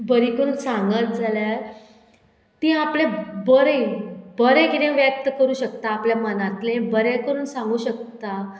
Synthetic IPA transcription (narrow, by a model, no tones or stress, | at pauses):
bəɾikəɾuːnsãŋɡat̪̚d͡zʱalja | t̪ĩːaplebəɾəibəɾẽɡiɾẽʋjək̚t̪əkəɾuːɕək̚t̪aːpljamənãt̪lẽbəɾẽkəɾuːnsãŋɡuːɕək̚t̪a